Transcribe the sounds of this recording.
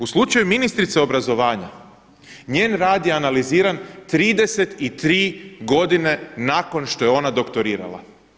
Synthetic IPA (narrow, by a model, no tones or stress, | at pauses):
uslˠut͡ʃajuminist̪ɾit̪seo̞bɾazo̞ʋaːɲa̰ | ɲeːnɾaːd̪jeanaliziːɾant̪ɾiːd̪e̞se̞t̪it̪ɾiːɡo̞d̪ine̞nako̞nʃt̪o̞jeo̞nad̪o̞kt̪o̞ɾiːɾa̰lˠa̰